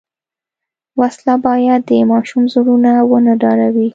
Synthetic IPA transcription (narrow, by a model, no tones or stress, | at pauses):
waslabɑjad̪ːəmɑʃumzuɽunawənaɖɑɽawi